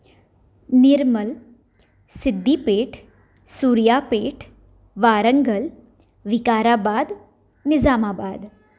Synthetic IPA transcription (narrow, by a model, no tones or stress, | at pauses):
niɾməl | sid̪ʱːiːpeːʈʰ | suːɾjapeːʈʰ | ʋaːɾəŋɡəl | ʋikaːɾabaːd̪ | nɪd͡zamaːbaːd̪